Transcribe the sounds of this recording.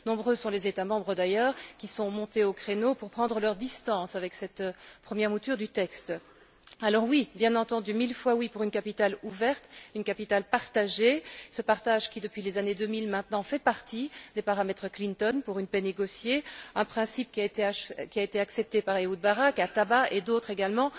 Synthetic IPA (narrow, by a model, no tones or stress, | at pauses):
nɔ̃bʁøsɔ̃lezet̪amɑ̃bʁəd̪ajœːʁkʲisɔ̃mɔ̃t̪eokχenopuʁpχɑ̃d̪ʁəlœʁd̪ist̪ɑ̃savɛksɛt̪pχəmjɛʁmut̪yʁd̪yt̪ɛkst̪ | alɔʁwibjɛ̃nɑ̃t̪ɑ̃d̪ymilfwawipuʁynkapit̪aluvɛʁt̪ynkapit̪alpaʁt̪aʒesəpaʁt̪aʒkʲid̪əpɥilezaned̪ømilmɛ̃t̪nɑ̃fɛpaʁt̪id̪epaʁamɛt̪χəklint̪ɔnpuʁynpɛneɡɔsjeɛ̃pχɛ̃sip̚kʲiaet̪kʲiaet̪eaksɛp̚t̪epaʁeud̪̚baʁakat̪abaʔed̪ot̪χeɡalmɑ̃